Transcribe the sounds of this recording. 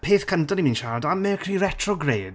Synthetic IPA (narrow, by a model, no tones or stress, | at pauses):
pʰeːθkʰəntɔnimĩːnʃaɾdamɛkʰriːrɛtʰrɔɡreːd̥